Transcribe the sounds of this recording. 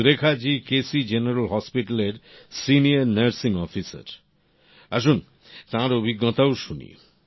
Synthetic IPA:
ɾekʰad͡ʑikesid͡ʑeneɾalɦɔspiʈaleɾsiniaɾnɐɾsiŋɔfisa̰ɾ | aʃ̬un | t̪ãɾobʱiɡːɔt̪aoʃunḭ

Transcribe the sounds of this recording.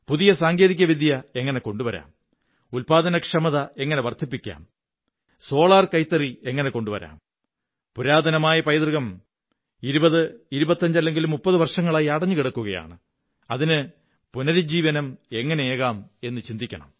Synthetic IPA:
puðijɐsaːŋɡeːðik̬ʲːɐʋid̪ʱjɐe̞ŋːɐne̞ko̞ɳɖuʋɐɾa̰ːm | ulpaːd̪ɐnɐkʂɐmɐðɐe̞ŋːɐne̞ʋɐrt̪ʰipːikʲːa̰ːm | so̞ːɭaːrkɐjt̪ːɐrie̞ŋːɐne̞ko̞ɳɖuʋɐ̰ɾa̰ːm | puɾaːd̪ʱɐnɐmaːjɐpɐjd̪rɨɣɐm | iɾubɐðɨiɾubɐt̪ːɐɲd͡ʑɐlːe̞ŋɡilumːupːɐðɨʋɐrʂɐŋːɐɭaːjiɐɽɐɲːukiɽɐkːuɣɐja̰ːɳɨ | ɐðinɨ | punɐɾd͡ʑiːʋɐnɐme̞ŋːɐneeːɣaːme̞nːɨt͡ɕind̪ikʲːɐ̰ɳɐ̰m

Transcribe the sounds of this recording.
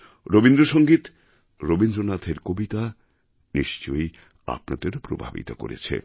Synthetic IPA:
ɾobind̪ɾoʃoŋɡit̪ | ɾobind̪ɾonat̪ʰeɾkobit̪a | niʃt͡ɕoj | a̰p̚nad̪eɾpɾobʱa̰bḭt̪oko̰ɾḛt͡ɕʰḛ

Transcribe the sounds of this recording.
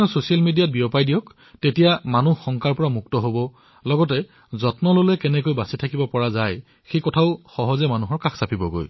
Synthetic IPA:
ʊsosijalmidijat̚biɔpajdijɔk | tetijamanuhxːɔŋkaɹpɔɹamuktɔɦobɔ | lɔɡɔtɛ | zɔtnɔlolɛkɛnɛkojbasitʰakibɔpɔɹazaj | xejkɔtʰaʊxɔɦɔzɛmanuɦɔɹkaksapʰibɔ̰ɡo̰j

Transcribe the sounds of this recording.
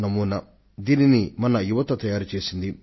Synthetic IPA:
nɐmuːnɐ | d̪iːninimɐnɐjuʋɐt̪ɐt̪ɐjaːɾut͡ʃe̞ːsind̪i

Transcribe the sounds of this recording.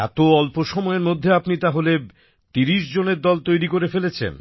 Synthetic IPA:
ɛ̰t̪oɔlpoʃɔmɔeɾmod̪ʱːeapnit̪aɦole | t̪iɾiʃd͡ʑoneɾd̪ɔlt̪ojɾikoɾefelet͡ɕʰḛn

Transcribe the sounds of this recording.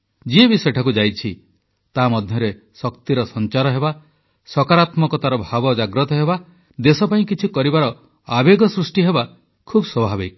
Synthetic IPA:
d͡ʒiebisɔjɔʈʰakud͡ʒajt͡ʃʰi | t̪amɔd̪ʱjɔɾe | sɔkt̪iɾɔsɔnt͡ʃaɾɔɦeba | sɔkaɾat̪mɔkɔt̪aɾɔbʱabɔd͡ʒaɡɾɔt̪ɔɦeba | d̪esɔpaĩkit͡ʃʰikɔɾibaɾɔ | abeɡɔsɾusʈiɦeba | kʰubɔswɔbʱabik̚

